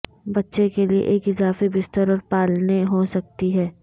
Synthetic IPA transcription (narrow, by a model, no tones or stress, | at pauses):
bɐtːʃekeliḛʔeːkɪzaːfebɪst̪əɾɔːɾpaːlneɦosɐk̚t̪iɦɛː